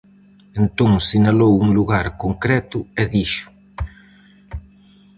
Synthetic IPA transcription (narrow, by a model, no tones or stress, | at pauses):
ent̪õŋsinalowuŋluɣaɾkoŋkɾɛt̪ʊɛðiʃʊ̥